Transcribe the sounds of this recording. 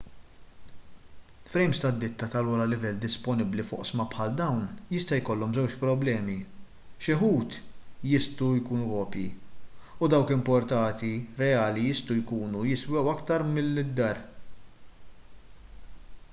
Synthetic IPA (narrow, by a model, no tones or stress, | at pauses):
fɾɛjmst̪ɐd̪ːɪt̪ːɐt̪ɐluːɾɐlɪvɛlːd̪ɪspɔnɪblifɔ̰ʔsmɐpħɐld̪ɐwnjɪst̪ɐjkɔlːɔmzɛwt͡ʃpɾɔblɛːmi | ʃɪħuːt̪jɪst̪ujkuːnukɔːpjḭ | ʊd̪ɐwkɪmpɔɾt̪ɐːt̪iɾɛjɐːlijɪst̪ɔwjkuːnujɪswɛwɐkt̪ɐɾmɪlːɪd̪ːɐɾ